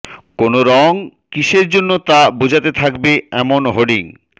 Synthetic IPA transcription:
konoɾɔŋkiʃeɾd͡ʑonːot̪abod͡ʑʱat̪et̪ʰakbeɛmonɦoɖiŋ

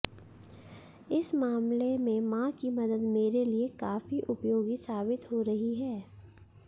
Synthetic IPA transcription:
ɪsmaːmlemẽmãkimɐd̪əd̪meːɾeliekaːfiʔʊpjoːɡisaːbɪt̪ɦoɾɐɦiɦɛː

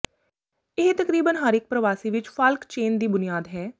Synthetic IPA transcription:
ɪɦt̪əkɾiːbənɦəɾɪk̚pɾəʋaːsiːʋɪt͡ʃpʰəlkt͡ʃeːnd̪iːbʊnijaːd̪ɦɛː

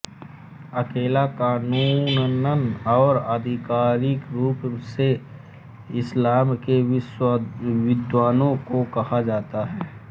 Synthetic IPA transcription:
ɐkeːlakaːnuːnnənɔːɾəd̪ʱɪkaːɾɪkɾuːpse | ɪslaːmkes | wɪd̪waːnõkokɐhad͡ʒaːt̪aɦɛː

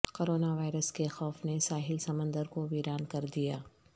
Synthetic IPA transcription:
koːɾoːnaʋaːɪɾəskexɔːfnesaːɦɪlsɐmə̃nd̪əɾkoʋiːɾaːnkɐɾd̪ijaː

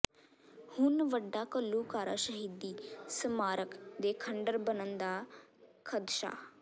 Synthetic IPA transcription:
hʊnʋəɖːaːkəlːuːkaːɾaːʃəɦiːd̪iːsəmaːɾəkd̪eːkʰəɳɖəɾbənənd̪aː | kʰəd̪ʃa̰ː

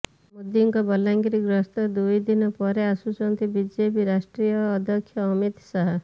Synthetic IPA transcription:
mud̪iŋkɔbɔlːaŋɡiɾiɡɾɔst̪ɔd̪ujd̪inɔpɔɾeasut͡ʃɔnt̪ibid͡ʒebiɾasʈɾijɔːd̪ʱɔkʰːjɔːmit̪saɦa

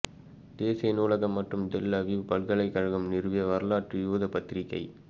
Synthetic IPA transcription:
d̪̥eːsɐjɪnuːlɐɣɐmːɐʈrɯmd̪ɛlːɐʋipɐɭɣɐɭɐɪkːɐɻɐɣɯmnɪɾɯʋɪjɐʋɐɾɯlaːʈrɯjuːðɐpɐt̪ːɪɾɪkːɐ̰ɪ

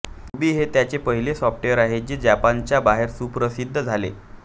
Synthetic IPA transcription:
ubiːɦet̪jat͡ɕepəɦilesɔfʈeʋəɾaɦed͡ʑed͡ʑapant͡ɕjabaɦeɾsupɾəsid̪ʱːəd͡zʱalḛ

